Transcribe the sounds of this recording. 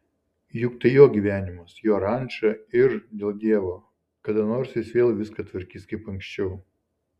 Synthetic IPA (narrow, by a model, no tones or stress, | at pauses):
jʊkt̪ɐjoːɡʲiːʋʲæːnʲɪmɐsjoːɾɐˑnʲˑt͡ʃɐɪɾd̪ʲeːlˠd̪ʲiɛʋoː | kɐd̪ɐnoːɾsjɪsʋʲeːlˠʋʲɪskɐt̪ʲʋɐɾʲkʲiːskɐɪpɐŋksʲt͡ʃʲɛʊ